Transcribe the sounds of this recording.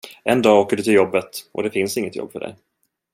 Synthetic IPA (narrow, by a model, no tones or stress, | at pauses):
ɛnd̪ɑːoːkəɖɵt̪ʰɪljɔbːət̪ʔɔ̰d̪ɛfɪnsɪŋːət̪jɔ̰bːfœɖɛ̰j